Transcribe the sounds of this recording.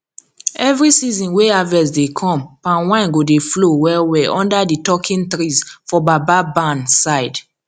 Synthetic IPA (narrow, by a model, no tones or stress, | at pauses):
ɛvɹisizĩnweavɛs̬dekʰɔ̃mpãnwãɪ̃nɡodeflowɛwɛʔɔ̃ndaditɔkʰĩntɹizfɔbababãnsaɪd